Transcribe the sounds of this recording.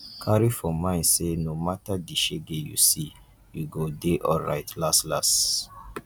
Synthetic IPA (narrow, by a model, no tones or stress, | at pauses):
kʰaɹifɔ̃mãɪ̃nsenomatadiʃeɡejṵsi | juɡodeʔɔlɹa̰ɪtlastlas